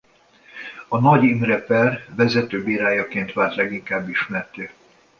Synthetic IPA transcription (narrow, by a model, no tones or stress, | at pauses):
ɒnɒɟimrɛpɛrʋɛzɛt̪øːbeːɾaːjɒkeːnt̪ʋaːlt̪lɛɡiŋkaːbːiʃmɛrt̪øː